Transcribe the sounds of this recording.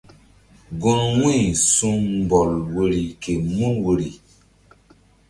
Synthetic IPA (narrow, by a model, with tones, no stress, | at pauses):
ɡũ˦ɾwĩ˦˨sũ˦ŋ˨bɔ˨lwe˦ɾi˨ke˨mũ˦we˨ɾi˨